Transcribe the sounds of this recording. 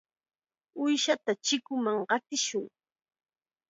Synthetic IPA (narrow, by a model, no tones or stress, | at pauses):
ʊjʃat̪at͡ʃɪkʊmaŋɢɑt̪ɪʃʊŋ